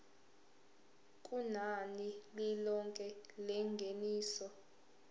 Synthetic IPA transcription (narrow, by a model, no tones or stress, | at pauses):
kʼunanililɔŋkʼɛlɛŋɡʱeniːsɔ